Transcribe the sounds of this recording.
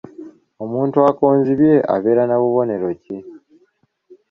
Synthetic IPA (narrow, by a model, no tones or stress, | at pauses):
o̞muːntuakoːnziβje̞ʔa̰βe̞ːɾanaβuβo̞ne̞ɾo̞ce